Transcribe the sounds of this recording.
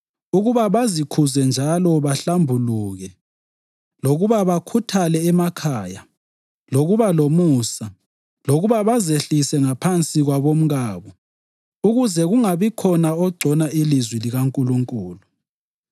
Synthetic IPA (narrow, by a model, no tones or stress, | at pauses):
uɣuβaβazikʰuzɛnd͡ʒʱalɔβaɬambʱuluːɣɛ | loɣuβaβakʰutʰalɛːmakʰaːja | loɣuβalomusa | loɣuβaβazeɬisɛŋapʰant͡sʼiɣwaβom̩ɣaːβɔ | uɣuzɛɣuŋaβikʰɔnaɔɡ͡ǀʱɔnailizwiliɣaŋkʼuluŋkʼuːlu